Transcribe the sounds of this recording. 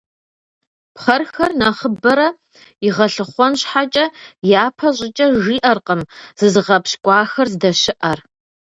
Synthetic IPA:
pχɐrxɐrnɐχəbɐɾɐ | iʁɐɬɨχʷɔnɕħat͡ʃʼɐjaːpʰɐɕʼɪt͡ʃʼɐʒiːʔɐrqəmz̥ɨzɨʁɐpɕkʷʼɑːxɐrzɨdɐɕɪʔɐr

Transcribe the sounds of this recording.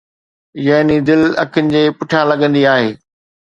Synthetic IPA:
jaɦnid̪ɪlɐ̰kʰɪnɪ̆d͡ʑeːpʊʈʰalɐɠə̃nd̪iaːɦeː

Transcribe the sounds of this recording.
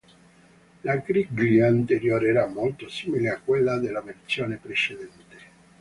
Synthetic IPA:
lakɾiɡliant̪eɾjoːɾeɾamːolt̪osiːmileakːwelːad̪elːavert̪sjoːnepɾet͡ʃed̪ɛnt̪e̥

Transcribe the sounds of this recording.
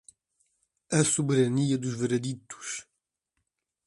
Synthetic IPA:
ɐsubeɾɐniɐd̪uʒveɾed̪it̪u̥ʃ

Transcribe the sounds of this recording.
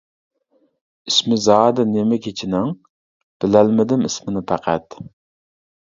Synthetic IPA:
ismɪzɑːd̪ɛnemɛkʲʰet͡ʃʰɪnɪŋ | b̥ɪlælmɪd̪ɪmismɪnɪpʰæqʰæt̪

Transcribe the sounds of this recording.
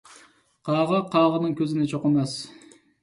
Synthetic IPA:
qʰɑːʁɑqʰɑːʁənɨŋkʲʰøzɪnɪt͡ʃʰoqəmɑs

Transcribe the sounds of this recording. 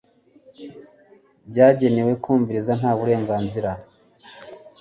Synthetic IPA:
bɟaːɟe̞ne̞we̞kʰuːɱviɾizan̥haːβuɾe̞ːŋɡaːnziɾa

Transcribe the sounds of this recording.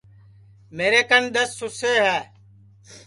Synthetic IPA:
meːɾeːkənd̪əsːʊseːɦɛː

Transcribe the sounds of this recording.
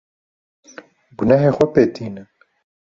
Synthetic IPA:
ɡunaɦeːxʷɛpeːt̪ʰiːnɨ

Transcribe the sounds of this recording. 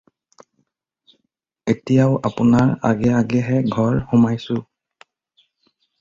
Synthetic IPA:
etijaʊʔapʊnaɹa̰ɡɛaɡɛɦɛɡʱɔɹxumajsʊ

